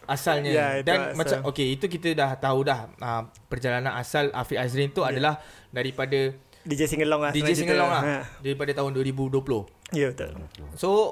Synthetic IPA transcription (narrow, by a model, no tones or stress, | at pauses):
asalɲədanmãt͡ʃaokeit̪uk̬it̪ədaht̪audahə | pərd͡ʒalanãnasala̰fiʔasɾint̪uadalah | daɾipada | did͡ʒesiŋəlɔŋladid͡ʒesiŋəlɔŋlahdaɾipadət̪aɦʊnduəɾibuduəpulʊhijəbət̪o̰lso